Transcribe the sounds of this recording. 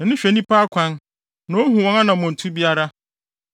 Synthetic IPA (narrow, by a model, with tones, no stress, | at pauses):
ɛ˨nʊ̃˦ɕᶣe˨nĩ˦pa˦kʷʰã˦n | nɔ̃˦ɦũ˨wɔ̃˦ŋa˦nã˨mʊ̃˨n̩˨tʰu˦bi˦a˦ɾa˦